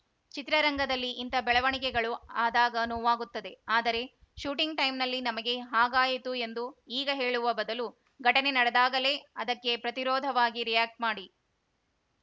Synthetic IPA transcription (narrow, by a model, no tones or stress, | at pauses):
t͡ʃit̪ɾɐɾɐŋɡɐd̪ɐlːiʔːnt̪ɐbɛɭɐʋɐɳik̬ɛɡɐɭuaːd̪aːɡɐnɔːʋaːɡut̪ːɐd̪e̞aːd̪ɐɾe̞ | ʃuːʈiŋɡʈɐjmnɐlːinɐmɐɡe̞ɦaːɡaːjit̪ue̞nd̪uiːɡɐɦe̞ːɭuʋɐbɐd̪ɐlu | ɡʱɐʈɐne̞nɐɽɐd̪aːɡɐle̞ɐd̪ɐkːe̞pɾɐt̪iɾɔːd̪ʱɐʋaːɡiɾijaːk̚ʈ̚maːɽi